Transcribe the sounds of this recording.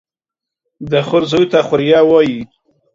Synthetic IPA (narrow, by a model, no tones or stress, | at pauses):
d̪əxʊɾzojt̪axʊɾjɑwɑji